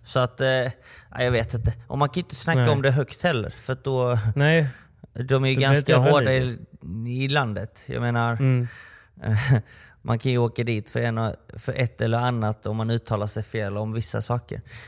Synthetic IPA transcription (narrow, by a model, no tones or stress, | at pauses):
sɔat̪ː | ʔa̰jɑɡveːt̪ɪnt̪əʔɔ̰mankʰanjʏnt̪ə̥snakːaɔmd̪ɛɦœkt̪hɛlːə̰ɾfœɾat̪̚d̪ɔ | d̪ɔmæɾjəɡanskaɦoːɖa | ɪland̪ət̪jɑ̰ːɡmeːnaɾ | mʔankʰanjɵoːkad̪iːt̪fœɾɛnfœɾʔɛt̪ːɛlːəɾanːat̪ɔmːanʉ̟ːt̪ʰːɑːlaʂɛjfeːlɔmvɪsːa̰sɑːkə̰ɾ